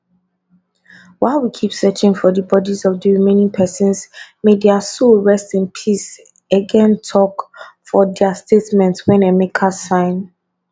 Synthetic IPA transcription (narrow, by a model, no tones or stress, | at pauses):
waɪwikʰipsɜt͡ʃɪ̃ŋfɔdəbɔdizɔvdəɹimẽnĩŋpʰɛsə̃nsmedɛəsulɹɛstɪ̃npʰis | əɡɛ̃ntʰɔkfɔdɛastʰetmɛ̃ntwɛ̃nemekʰasãɪ̃n